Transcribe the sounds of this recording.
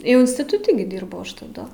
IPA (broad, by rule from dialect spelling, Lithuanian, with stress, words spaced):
jɛʊ ɪnʲsʲtʲɪtʊˈtʲɪ ɡʲɪ ˈdʲiːrbɐʊ ˈɐʃ tɐˈdʊ